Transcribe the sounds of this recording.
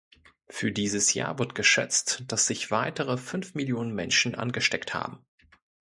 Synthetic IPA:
fyːɐdiːzəsja̰ːvɪɐtɡ̥əʃɛ̰t͡std̥asz̥ɪçv̥aɪtəʁəfʏnfmɪljoːnənmɛnʃn̩ʔa̰nɡəʃtɛktha̰ːbm̩

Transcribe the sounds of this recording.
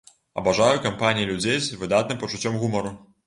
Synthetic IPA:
ɐ̰baʐajukampanʲijilʲud͡zʲejzvɨd̪at̪̚nɨmpɐt͡ʂut͡sʲɔmɣumɐɾu

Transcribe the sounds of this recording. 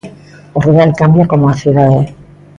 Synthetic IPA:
oruðalkambjakomoaθjuðaðe

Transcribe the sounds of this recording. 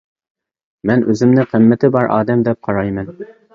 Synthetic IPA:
mænʔʉzɘ̆mnɪqɘ̆mːɘt̪ɘbɑɾʔɑ̰ːd̪æmd̪ɛp̚qʰɑɾɑjmɘn

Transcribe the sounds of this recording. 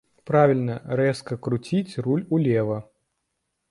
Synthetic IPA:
pɾavʲilʲnɐɾɛskɐkɾut͡sʲit͡sʲrulʲulʲɛvɐ

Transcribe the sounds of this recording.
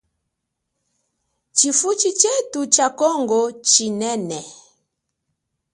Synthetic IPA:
t͡ʃifut͡ʃit͡ʃɛtut͡ʃakɔŋɡɔt͡ʃinɛnɛ

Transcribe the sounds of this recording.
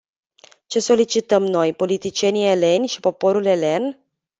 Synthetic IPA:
t͡ʃe̞so̞lit͡ʃit̪əmno̞jpo̞lit̪it͡ʃie̞niele̞nʲʃi̥po̞po̞ɾule̞le̞n

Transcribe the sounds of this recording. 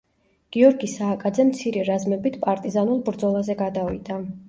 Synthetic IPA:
ɡ̥iɔɾɡisaːkʼad̪zɛmt̪sʰiɾɛɾazmɛbit̪ʰpʼaɾt̪ʼizanulˠbɾd̪zɔlˠazɛɡad̪avḭd̪a

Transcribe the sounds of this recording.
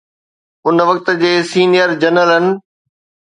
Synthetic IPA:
ʊnʋɐk̚t̪ə̆d͡ʑeːsiːnijəɾd͡ʑɐnəlɦənɪ̆

